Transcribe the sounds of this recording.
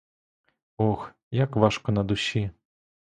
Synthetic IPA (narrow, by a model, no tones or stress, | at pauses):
ɔx | jakʋɑʃkɔnɐd̪ʊɕʲi